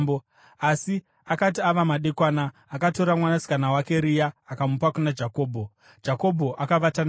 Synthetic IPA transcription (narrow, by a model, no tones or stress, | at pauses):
b | asi | akat̬iaʋamaɗekwaːnaː | kato̞ɾamwanasi̥kanawake̞ɾijaːkamupakunad͡ʒako̞ːbʱo̞ | d͡ʒako̞bʱo̞ʔakaʋatan